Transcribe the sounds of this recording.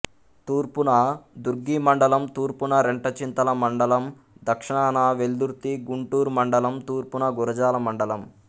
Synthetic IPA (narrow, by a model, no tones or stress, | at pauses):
t̪uːɾpunɐd̪uɾɡimɐɳɖɐlɐmt̪uːɾpunɐɾeɳʈɐt͡ʃint̪ɐlɐmɐɳɖɐlɐm | d̪ʱɐkʂɐɳaːnaʋeld̪uɾt̪iɡuɳʈuːɾmɐɳɖɐlɐmt̪uːɾpunɐɡuɾɐd͡ʒaːlɐmɐɳɖɐlɐm